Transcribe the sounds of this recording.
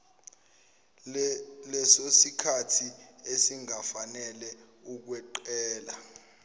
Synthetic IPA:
lɛsosikʰatʰiesiŋafanɛlɛ | uk̬wɛǃɛːla

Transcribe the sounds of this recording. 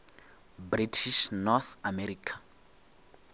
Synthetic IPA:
britʰiʃnɔθamɛɾiːkʰḁ

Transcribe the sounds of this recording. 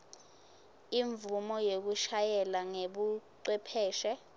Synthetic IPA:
iɱvumɔjek̬uʃajɛlaŋeɓuǀwɛpʰɛːʃɛ

